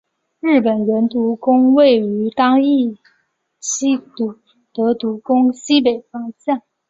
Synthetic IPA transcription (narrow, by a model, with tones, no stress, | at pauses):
ɻ̩˥˩pə˨˩nɻə˧˥nt̪u˧˥kʊ˥ŋwe˥˩ɪy˧˥t̪ɑ˥ŋi˥˩ | ɕi˥t̪u˨˩ | t̪ɤ˧˥t̪u˧˥kʊ˥ŋɕi˥p̬e˨˩ɪfɑ˥ŋt͡ɕja˥˩n